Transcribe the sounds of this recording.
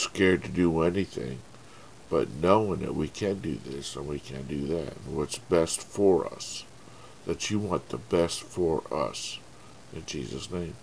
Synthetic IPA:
skɛɹd̚tʰɨdɨɛniθɪ̰̃ŋ | b̥ʌ̰tⁿnoʊɪ̃ŋɨ̰ʔ̚wikʰɨ̃ndɨ̰ðɪsə̃nwikʰɨ̃ndɨðæ̰tnwʌtsb̥ɛstfə˞ʌ̰s | ðɨt͡ʃɨwɑ̃nðəbɛstfə˞ʌ̰s | ʔɨ̃nd͡ʒizɨsnẽɪ̃m

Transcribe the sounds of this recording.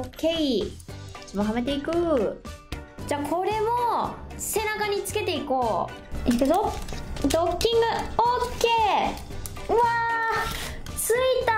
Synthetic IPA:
okei | t͡ɕimoɦame̞t̪e̞ikɯ̟ | d͡ʑaːkʰo̞ɾe̞mo̞se̞nakaɲ̟it͡sɨ̥ke̞t̪e̞iko̞ːikezod̪okʲːĩŋɡɯ̟okːeː | ɯβa | t͡sɨit̪a

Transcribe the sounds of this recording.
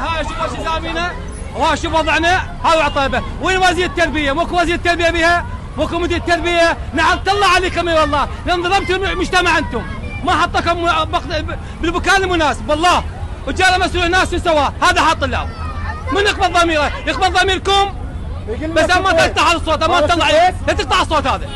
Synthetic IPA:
haːjaʃufaʃizaːmiːna | whaːjʃuːfwɑðˤɨʕna | haːjwaʕt̪ˤɑlba | winwaːziːt̪ːɑɾˤbɪjamukʊwaziːt̪ːɑɾˤbɪjabiːha | mukʊmɪd̪it̪ːɑɾbɪja | naħant̪ːɑlːɑʕaliːkamiwɑlˤːɑːlʔanðˤɑɾˤɑbt̪mʊd͡ʒt̪amaʕɪnt̪ʊmmaħɑt̪ˤːɑkʊmbaq̪ | bɪlbʊkaːnəlmʊnaːsɪbwɑlˤːɑː | wt͡ʃ̪aːlamasɾuːnaːʃʊsawaːʔhaːðaħaːt̪ˤːɨlːa̰ːbmɪnːəq̚balðˤɑmiːɾajɪq̚balðˤɑmiːɾkʊm | basʔamat̪ɑt̪ˤːɑʕħaːðɑsˤːoːt̪ʔamanˤɑlˤːɑʕalelat̪ɨq̚t̪ˤɑʕəsˤːoːt̪haːði

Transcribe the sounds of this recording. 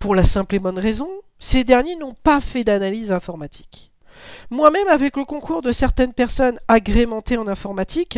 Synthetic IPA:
puʁlasɛ̃plebɔnʁezɔ̃ | sed̪ɛʁnjenɔ̃pafɛd̪analizɛ̃fɔʁmat̪ʰi̥k | mwamɛmavɛkləkɔ̃kʰuʁd̪əsɛʁt̪ɛnpɛʁsɔnaɡʁemɑ̃t̪eɑ̃nɛ̃fɔʁmat̪ʰik

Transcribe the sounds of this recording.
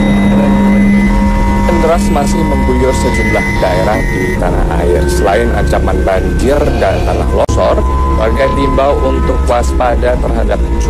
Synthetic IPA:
ənd̪ɾasmasɪhməmbujʊsəd͡ʒumlahdaeɾahdit̪ana̰a̰ɪrsəlaɪna̰t͡ʃamanbaɲd͡ʒɪrdat̪ana̰hlɔsɔr | wa̰rɡajt̪imbawunt̪ʊk̚ːuaspadat̪ərɦadap̚

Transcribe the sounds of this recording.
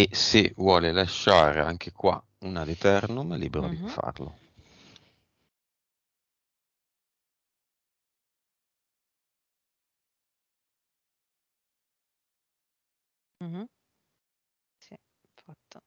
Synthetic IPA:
esevwɔːlelaʃːaːɾeaŋk̟ekʰwa̰ | unad̪et̪ɛrnumɛliːbeɾod̪ifa̰rlo̰ | si | pɔt̪o

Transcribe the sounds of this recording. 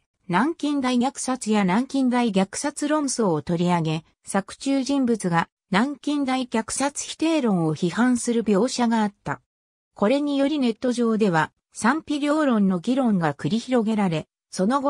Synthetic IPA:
nãŋkʲĩnd̪aiakɯ̥sat͡sɨjanãŋkʲĩnd̪aiɡʲakɯ̟̥sat͡sɨɾõ̞so̞ːt̪o̞ɾʲiaɡe̞ | sakɯ̟̥t͡ɕɨːʑĩmbɯt͡sɨɡa | nãŋkʲĩnd̪aikʲakɯ̟̥sat͡sɨ̥çʲi̥t̪e̞ːɾõ̞ɰ̃o̞çihãɰ̃sɨɾɯ̟bʲjo̞ːɕaɡaːt̪ːa̰ | ko̞ɾe̞ɲ̟ijo̞ɾʲine̞t̪ːo̞ʑo̞ːd̪e̞βa | sãmpʲiɾʲo̞ːɾõ̞nːo̞ɡʲiɾõ̞ŋɡakɯ̟ɾʲiçiɾo̞ɡe̞ɾaɾe̞ | so̞no̞ɡo

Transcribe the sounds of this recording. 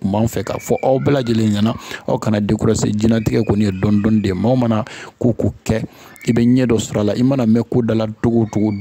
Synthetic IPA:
kumãfɛka̰fɔʔabɛlad͡ʒelẽɲanao̰kanadẽkuɾɔsḛd͡ʒinãtiɡɛkonĩedɔ̃ndõdejemaumanakokokɛ | ibɛɲɛdɔsɔɾalaʔimanamɛkodalatuɡutuɡu

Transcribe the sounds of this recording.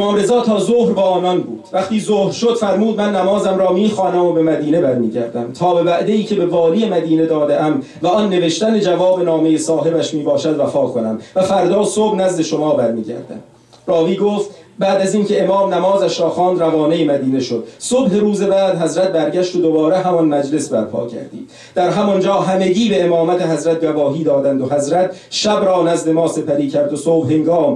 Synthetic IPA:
emɒːmɾe̞zɒːt̪ʰɒːzohɾbɒːʔɒːnɒnbuːd̪̥væχt̪iːzohɾʃo̞d̪̥fæɾmuːd̪mænːæmɒːzæmɾɒːmiːxɒːnæmobe̞mæd̪iːne̞bæɾmiːɟæ̰ɾd̪æmt̪ʰɒːbe̞væʔd̪e̞iːcʰe̞be̞vɒːliːemæd̪iːne̞d̪ɒːd̪eʔæm | væɒnːe̞ve̞ʃt̪æne̞d͡ʒævɒːbe̞nɒːmeje̞sɒːɦe̞bæʃmiːbɒːʃæd̪ɾæfɒːkʰo̞næmvæfæɾd̪ɒːsobnæzle̞ʃo̞mɒːbæɾmiːɟæ̰ɾd̪æ̰m | rɒːviːɡoːft̪ | bæːd̪æziːŋce̞emɒːmnæmɒːzæʃɾɒːxɒːnd̪ɾævɒːne̞jemæd̪iːne̞ʃod̪̥̚sobhe̞ɾuːze̞bæːd̪ɦæzɾæt̪̚bæɾɟæʃt̪od̪obɒːɾeɦæmɒnmæd͡ʒle̞sbæɾ̚pʰɒ̰ːcʰæ̰ɾd̪ḭːd̪̥ | d̪̥æɾɦæmɒnd͡ʒɒːɦæme̞ɟiːbe̞emɒːmæt̪ʰe̞ɦæzɾæt̪̚ɡævɒːɦiːd̪ɒːd̪ænd̪oɦæzɾæt̪ʃæbɾɒːnæzd̪e̞mɒːse̞pæɾiːcʰæɾd̪osoːbhe̞ŋɡɒːm

